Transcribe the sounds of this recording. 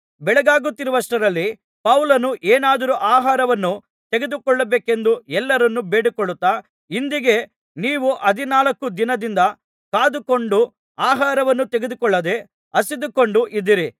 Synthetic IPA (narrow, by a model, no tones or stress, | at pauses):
bɛɭɛɡaːɡut̪ːiɾuʋɐsʈɐɾɐlːi | pɐwlɐnuʔeːnaːd̪ɐɾuʔaːɦaːɾɐʋɐnːu | t̪eɡed̪ukɔɭːɐbeːke̞nd̪uɛlːɐɾɐnːubeːɽikoɭːut̪ːaː | ind̪iɡe̞ | niːʋuʔɐd̪ʱinaːlɐkːud̪inɐd̪ind̪ɐ | kaːd̪uko̞ɳɖu | aːɦaːɾɐʋɐnːut̪eɡed̪ukɔɭːɐd̪e̞ | ɐsid̪uko̞ɳɖuʔid̪ːiɾi